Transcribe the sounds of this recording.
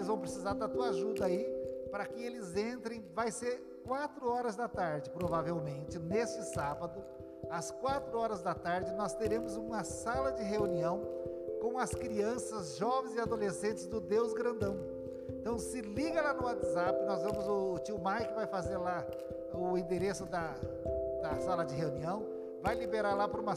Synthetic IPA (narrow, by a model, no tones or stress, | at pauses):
lɪzvɐ̃w̃pɾesizaɾd̪at̪uaʒud̪ɐaipɾɐkɪelɪzẽnt̪ɾẽj̃vajseɾ | kwat̪ɾʊɔɾɐzd̪ɐt̪aɾd͡ʒɪpɾovavewmẽnt͡ʃɪnest͡ʃɪsabɐd̪ʊ | ɐskwat̪ɾʊɔɾɐzd̪ɐt̪aɾd͡ʒɪnɔst̪eɾẽmʊzũmɐsalɐd͡ʒɪɦeuniɐ̃w̃kõw̃ɐskɾiɐ̃sɐzʒɔvẽj̃zɪad̪olesẽnt͡ʃɪzd̪ʊd̪ewzɡɾɐ̃nd̪ɐ̃w̃ | ẽt̪ɐ̃w̃sɪliɡɐlanʊat̪zapɪnɔzvɐ̃mʊzʊt͡ʃiwmajkɪvajfazeɾla | ʊĩnd̪eɾesʊd̪ɐ | d̪ɐsalɐd͡ʒɪɦeuniɐ̃w̃ | vajlibeɾaɾlapʊɾũmɐ